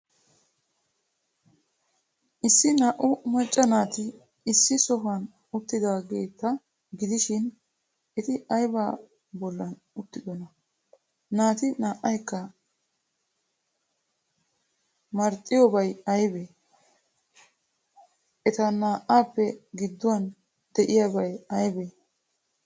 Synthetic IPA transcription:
ʔɪsːɪnaːʔʊmɐt͡ʃʼːɐnaːt̪ɪː | sːɪsɔɦɐn | ʊt̪ːɪd̪aːɡeːt̪ːɐ | ɡɪd̪ɪʃɪn | ʔɛt̪ɪɐjbaː | bɔlːɐn | ʊt̪ːɪd̪ɔnɐ | naːt̪ɪnaːʔːɐjkːɐ | mɐɾt̪ʼːɪjɔbɐjɐjbe | ʔɛt̪ɐnaːʔaːpːɛɡɪd̪ːʊwɐn | d̪̥ɛʔɪjabɐjɐjbe

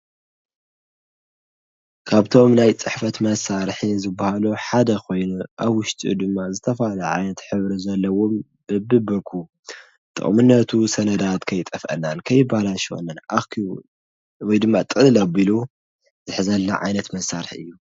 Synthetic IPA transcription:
kʰaβt̪ʰo̞mnajt͡sʼɨħfɐt̪mɐsaɾħizɨbːahaluħad̪ɐkʰo̞jnuʔaβwʊʃt̪ʼiṵd̪ɨmːazɨt̪ʰɐfalɐʕa̰jnɐt̪ħɨβɾizɐlːɐwom | b̥ɨbɨbɨkʰu | t̪ʼɨ̰χʼmɨnːɐt̪ʰusɐnɐd̪at̪kʰɐjt̪ʼɐfʔɐ̰nːankʰɐjːɪbːaalaʃɐ̰nːanakʰi | wɔjd̪ɨmːat̪ʼɨlɐbilu | zɨħzɐlːɐ̰ʕa̰jnɐt̪mɐsaɾħiɨjːu

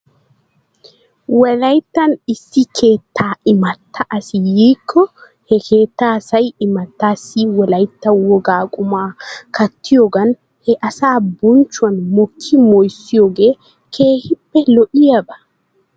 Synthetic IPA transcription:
wɛlɐjt̪ːɐnisːikʰeːt̪ʰːaːɪmɐt̪ʰːaʔːsijikʰːɔ | hɛkʰeːt̪ːaːsɐjɪmɐt̪ːasiwɛlɐjt̪ːɐwɔɡaːkʼumaːkɐt̪ʰːijɔɡɐn | hɛʔasaːbuɲt͡ʃwɐnmɔkʰːimɔjsijɔɡɛ | kʰeːhibːɛlɔʔijaɓɐ

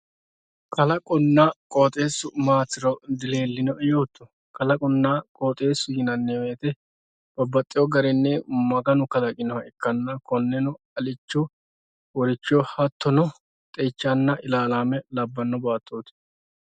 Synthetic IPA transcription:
kʰɐlɐkʼʊnːaːkʼoːt̪ʼe̞ːsʊmaːt͡sːɪɾɔd̪ɪle̞ːlːɪnɔʔɛjo̞ːt̪ːɔ | kɐlɐkʼʊnːaːkʼoːt̪ʼe̞ːsːʊjɪnɐnːɛwe̞ːt̪ɛ | b̥ɐbːɐt̪ʼːɪjɔɡɐɾɛnːɛmɐɡɐnʊkɐlɐkʼɪnɔhɐɪkːɐnːɐkɔnːɛnʊ | ɐlɪt͡ʃːɔ | wɔɾɪt͡ʃːɪɔhɐt̪ʰːɔnɔ | t̪ʼɛt͡ʃːanːɐʔɪlaːlaːmɛlɐbːɐnːɔbaːt̪ʼːoːt̪ɛ̥

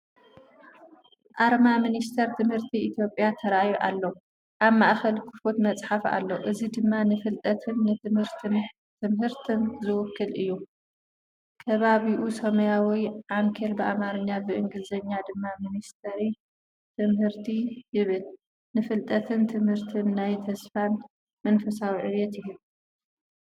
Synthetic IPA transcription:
ʔaɾmaminist̪ʰɐɾt̪ʰɨmhɨɾt̪ʰiit̪ʰjo̞pʼjat̪ʰɐɾʔajuʔalːo | ʔaβmaʔxɐlkʰɨfot̪mɐt͡sʼħafa̰lːoʔɨzid̪ɨmːanɨfɨlt̪ʼɐt̪ʰɨnːɨt̪ʰɨmhɨɾt̪ʰɨn | t̪ʰɨmhɨɾt̪ʰɨnzɨwʊkʰːɨlʔɨjːu | kʰɐβaβiʔusɐmɐjawiʕaŋkʰɐlbɨʔamaɾɨɲːabɨʔɨŋɡɨzɐɲːad̪ɨmːaminist̪ʰɐɾi | t̪ʰɨmhɨɾt̪ʰijɪβɨl | nɨfɨlt̪ʼɐt̪ʰɨnt̪ʰɨmhɨɾt̪ʰɨnːajt̪ʰɐsfan | mɐnfɐsawiʕɨɾjɛt̪jɪju

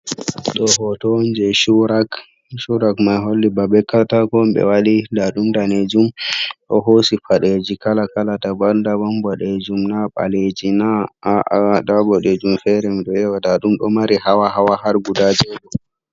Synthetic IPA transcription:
ɗɔɦɔtɔnd͡ʒɛʃuɾak | ʃuɾakmajɦolːibabɛkːatakɔmbɛ̰waɗidaɗumdaned͡ʒumɗɔɦosifaɗed͡ʒikalakalatabaɾndabambɔɗed͡ʒumnaɓa̰led͡ʒina | ɗabɔɗed͡ʒumfɛɾɛmɗɔɛwadaɗumɗɔmaɾihawahawahaɾɡudad͡ʒɛɗɔ

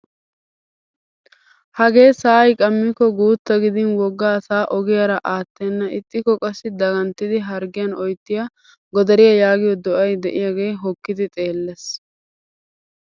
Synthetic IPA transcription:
hɐɡe̞ːsaːjkʼɐmːɪkːɔɡuːt̪ːɐɡɪd̪ɪnwɔɡːaːsaːʔɔɡɪjɐɾɐʔaːt̪ːɛnːɐɪt̪ʼːɪkːɔkʼɐsːɪd̪ɐɡɐnt̪ːɪd̪ɪɦɐɾɡɪjɐnɔjt̪ːɪjɐ | ɡɔd̪ɐɾɪjɐjaːɡɪjɔd̪ɔʔɐjd̪ɛʔɪjaɡeːɦɔkːɪd̪ɪt̪ʼe̞ːlːɛs

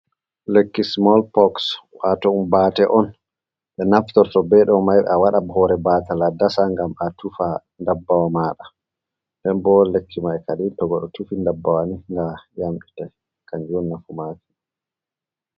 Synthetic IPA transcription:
lekːismɔlpɔkswatɔumbaːtɛʔɔn | ɓɛnaftɔɾtɔbɛɗɔmajɓɛ̰awaɗabhɔɾɛbaːtaladasaŋɡamatufa | ndabːawamaːɗa | dɛmbɔlekʰːimaɛkaɗintɔɡɔɗɔtufindabːawaniŋɡajamɗitɛ | kaɲd͡ʒɔnːafumafi̥

